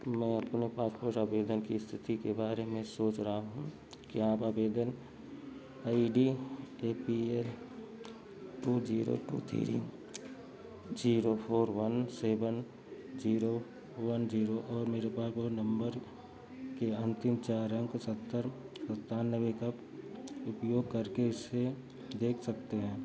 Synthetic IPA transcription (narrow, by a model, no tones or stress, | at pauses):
mɛ̃ːɐpnepaːspoːɾʈaːbeːd̪ənkist̪ʰɪt̪ikebaːɾemẽsoːt͡ʃɾɐɦaɦũ | kiãːpaːbeːd̪ən | aːiɖieːpiel | ʈuːd͡ʒiːɾo̰ʈṵːt̪ʰḭɾḭ | d͡ʒiːɾopʰoːɾʋɐnseːbən | d͡ʒiːɾo | wɐnd͡ʒiːɾoʔɔːɾmeːɾepaːsonɐ̃mbəɾ | keɐ̃nt̪ɪmt͡ʃaːɾɐ̃ŋksɐt̪ːəɾsɐt̪ːaːnnːəʋekɐp | ʊpjoːɡ̚kɐɾkeɪsːe | d̪eːkʰsɐkt̪eɦɛ̃ː